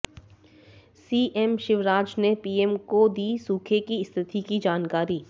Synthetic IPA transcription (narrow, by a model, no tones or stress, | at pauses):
siːʔɛmʃɪʋɾaːd͡ʒnepiːɛmkod̪iːsuːkʰekiɪst̪ʰɪt̪ikid͡ʒaːnkaːɾiː